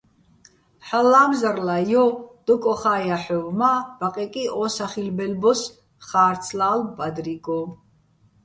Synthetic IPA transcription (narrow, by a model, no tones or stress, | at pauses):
ħalːaːmzarlajɔd̪̥ɔkʼɔχaːjaħɔvmab̥aqʼɛkʼiɔːsaχilbɛlbɔs | χaːɾt̪sʰlaːlbad̪ɾiɡʼɔ